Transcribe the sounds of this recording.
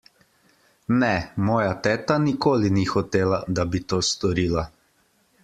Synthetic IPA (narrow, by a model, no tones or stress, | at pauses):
nɛmɔːjat̪ɛːt̪anikoːlinixɔt̪eːlad̪abit̪oːst̪ɔɾiːla